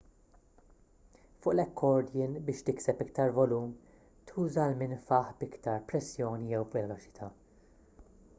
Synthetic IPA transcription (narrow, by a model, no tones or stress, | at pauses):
fʊːʔlɛkːɔɾd̪ɪnbɪːʃt̪ɪksɛpɪk̚t̪ɐɾvɔluːm | t̪ʰuːzɐlmɪnfɐħbɪkt̪ɐɾpɾɛsːjɔːnijɛwvɛlɔt͡ʃɪ̥t̪ʰɐː